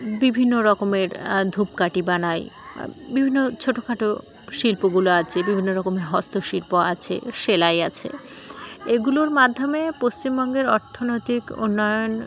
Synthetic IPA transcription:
bibʱinːoɾɔkomeɾd̪ʱup̚kaʈibanajbibʱinːot͡ɕʰoʈokʰaʈo | ʃilpoɡuloat͡ɕʰebibʱinːoɾɔkomeɾɦɔst̪oʃilpoa̰t͡ɕʰḛʃelajat͡ɕʰḛ | eɡuloɾmad̪ʱːomepost͡ɕimbɔŋɡeɾɔɾt̪ʰonojt̪iko̰nːɔjon

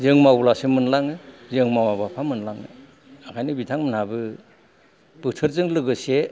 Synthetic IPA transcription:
zɯŋmawlasemɯnlaŋɯzɯŋmawabapʰamɯnlaŋɯ̰ | akʰajnibitʰaŋmɯnhabɯ | b̥ɯtʰɯɾzɯŋlɯɡɯse

